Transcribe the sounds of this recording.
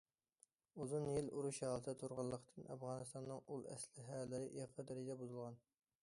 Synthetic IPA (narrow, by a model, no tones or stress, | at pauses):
uzunjiluɾuʃɑlˠɨt̪ʰɛt̪ʰuɾʁɑlˠːəqʰt̪ʰɨnʔɛɑ̰fʁɑːnɨst̪ɑnːɨŋulˠɛ̰slɪɦæːlɪɾɪʔeqʰɑd̪ɪɾɪd̪ʲɛbuzulˠʁɑn